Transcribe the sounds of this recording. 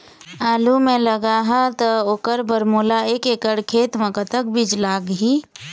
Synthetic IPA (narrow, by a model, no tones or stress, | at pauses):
aːlumẽləɡaɦət̪əoːkəɾbəɾmulaekekəɽkʰet̪mekət̪ək̚bid͡ʒlaɡɦi